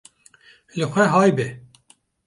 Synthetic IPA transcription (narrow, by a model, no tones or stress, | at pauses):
lɨxʷɛɦɑːjbe